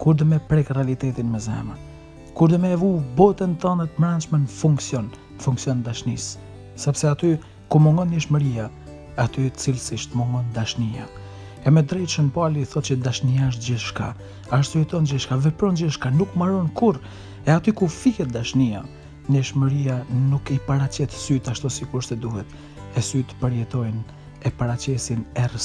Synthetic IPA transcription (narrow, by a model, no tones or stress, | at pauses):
kuɾd̪əmɛpɾɛkrɛalit̪ɛt̪inmɛzɛ̰man | kuɾd̪əmɛːvubɔt̪ɛnt̪ɔnət̪mɾant͡ʃmɛnəfuŋksjɔn | əfuŋksjɔnd̪aʃnisː | ɛpsɛat̪y | kumɔŋɡɔnɲəʃməɾija | at̪yt̪ət͡silsiʃt̪mɔŋɡɔnd̪aʃnia̰ | ɛmɛd̪ɾɛt̪ʃənpaliθɔt̪̚t͡ʃəd̪aʃniaəʃ̬t̪̚d͡ʑɛʃka | aʃt̪sɔɛt̪ɔnd͡ʑɛʃkavɛpɾɔnd͡ʑɛʃkanukmaɾɔnkuɾ | ɛat̪ykufihɛt̪̚d̪aʃnia | ɲəʃməɾijanukipaɾat͡ɕɛt̪syt̪aʃt̪ɔsikuɾʃsɛd̪uhɛt̪ | ɛsyt̪pəɾjɛt̪ɔjn | ɛpaɾat͡ɕɛsinɛrəs